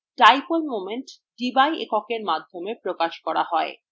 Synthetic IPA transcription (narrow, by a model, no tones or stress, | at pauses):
ʈajpoɾmomenʈ | ɖibajʔḛkɔkeɾmad̪ʱːomepɾokaʃkɔɽa̰ɦɔe